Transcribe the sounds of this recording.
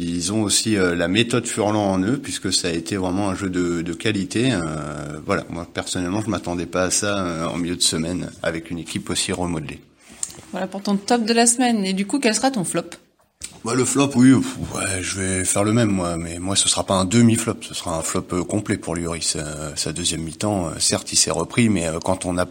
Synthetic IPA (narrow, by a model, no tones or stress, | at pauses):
ilzɔ̃osiølamet̪ɔd̪fyʁlɑ̃ɑ̃nøpɥiskəsaːet̪ʰevʁɛmɑ̃ɛ̃ʒød̪əd̪əkʲalit̪eøvwala̰mwapɛʁsɔnɛlmɑ̃ʒəmat̪ɑ̃d̪ɛpaːsaøɑ̰̃miljød̪əsəmɛna̰vɛkʲynekʲʰiposiʁəmɔd̪lḛ | vwalapuʁt̪ɔ̃t̪ɔp̚d̪əlasmɛned̪ykukʲɛlsəʁat̪ɔ̃flɔp | baləflɔpwiwɛʒəvɛfɛʁləmɛmːwamɛmwasəsʁapaɛ̃d̪əmiflɔpsəsʁaɛ̃flɔpøkɔ̃plɛpuʁljøʁissad̪əzjɛmːit̪ɑ̃ø̰sɛʁt̪isɛʁəpχimɛøkɑ̃t̪ɔ̃na